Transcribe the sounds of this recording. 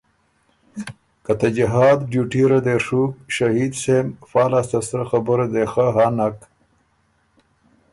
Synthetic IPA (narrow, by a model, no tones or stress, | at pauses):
kat̪ad͡ʑiɦaːd̪ɖjuːʈiɾɐd̪eʂuːkʃɐhiːd̪semfaːlast̪ɐsɾɐxɐbuɾed̪exaɦanak